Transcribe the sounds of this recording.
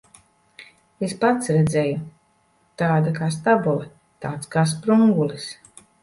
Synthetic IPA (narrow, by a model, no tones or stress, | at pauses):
espat̪sɾɛd̪zɛju | t̪aːd̪akaːs̬t̪abulˠɛ | t̪aːt̪skaːs̬pɾuŋɡulˠis